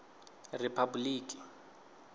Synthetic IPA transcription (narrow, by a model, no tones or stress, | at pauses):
rɪpʰabuliːki̥